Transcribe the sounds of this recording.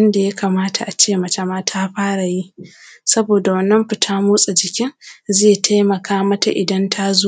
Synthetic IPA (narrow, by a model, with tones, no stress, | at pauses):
wɐ˦nda˨ja˦kaː˨maː˦tʰa˨ʔa˨t͡ʃeː˦mɐ˨t͡ʃa˦maː˦tʰaː˦ɸaː˦ɽa˨ji˦ʔsɐ˦boː˨da˨wɐ˦nːɐ˦mɸɪ˨tʰaː˦muː˦sʼa˨d͡ʒɪ˨kʲɪ˦ŋzeː˦˨tʰa˦jmɐ˨kʰaː˦mɐ˦ta̰˨ʔɪ˨dɐ˦ntʰa˦zoː˦